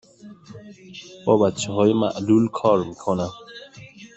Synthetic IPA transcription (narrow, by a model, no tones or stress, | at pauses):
bɔbat̪ʃʰɔɦɔːjima̰ʔlulkʰɔɾmikʰona